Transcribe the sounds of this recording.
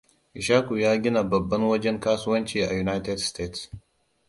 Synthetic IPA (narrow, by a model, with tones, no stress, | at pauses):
ʔɪ˨ʃaː˦ku˨jaː˦ɡʲɪ˦na˨bɐ˨bːɐ˦nwɐ˦d͡ʒɛ˦ŋkaː˦sʊ˦wɐ˦nt͡ʃiː˨ʔa˨ju˨naː˦jtɛ˦dsteː˦ts